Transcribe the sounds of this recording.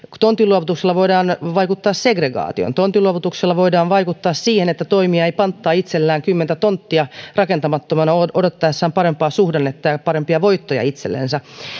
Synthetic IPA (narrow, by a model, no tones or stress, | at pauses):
t̪ont̪ːˑiluoʋut̪ukselːɑʋoidɑːnʋɑikut̪ːɑːsseɡreɡɑ̰ːt̪io̰nt̪ont̪iluoʋut̪ukselːɑʋoidɑːnʋɑikut̪ːɑːssiːhenet̪ːæt̪oimiɑeipɑnt̪ːɑːit̪selːæːŋkymːent̪æt̪ont̪ːiɑrɑkent̪ɑmɑt̪ːomɑnɑoʔodot̪ːɑjesːɑːmpɑɾempɑːsuhdenːet̪ːɑjɑpɑɾempiɑʋoit̪ːojɑ̰it̪selːḛnsɑ